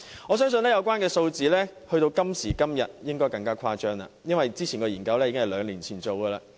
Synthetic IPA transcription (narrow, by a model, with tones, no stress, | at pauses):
ɔː˨˧s̬œː˥ŋsɵ˧nlɛː˥jɐ˨˧wkʷaː˥nkɛː˧so˧wt͡siː˨lɛː˥hɵ˧ɥt̪o˧wkɐ˥msiː˨˩kɐ˥mjɐ˨t̚jɪ˥ŋkɔː˥jkɐ˧ŋkaː˥kʰaː˥t͡ʃœː˥ŋa̰˨jɐ˥nwɐ˨jt͡siː˥t͡sʰiː˨˩nkɔː˧jiː˨˩nkɐ˧wlɛː˥jːkɪ˥ŋhɐ˨jlœː˨˧ŋliː˨˩nt͡sʰiː˨˩nt͡so˨˧wɡɐː˧laː˧